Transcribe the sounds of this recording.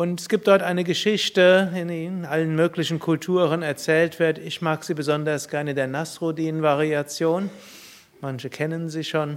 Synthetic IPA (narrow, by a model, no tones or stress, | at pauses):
ʔʊntɛsɡ̥iːp̚td̥ɔɐtʔaɪnəɡəʃɪçtəɪniʔalənmøːklɪçn̩kʰʊltʰuːʁənɛɐt͡sɛːltv̥ɪɐtɪçmaːkz̥iːbəzɔndɐsɡ̥ɛɐnədeːɐnasʁodiːnənvaʁiat͡sjoːn | mançəkʰɛnənziːʃoːn